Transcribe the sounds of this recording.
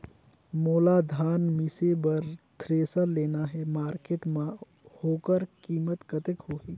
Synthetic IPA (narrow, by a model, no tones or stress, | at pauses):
moːlad̪ʱaːnmɪsebəɾt̪ʰɾeːsəɾleːnaɦɛmaːɾkeːʈmã | hoːkəɾkiːmət̪kət̪ekɦoːɦiː